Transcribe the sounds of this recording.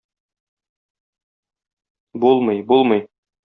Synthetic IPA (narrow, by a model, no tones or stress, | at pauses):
bulˠmɤjbulˠmɤj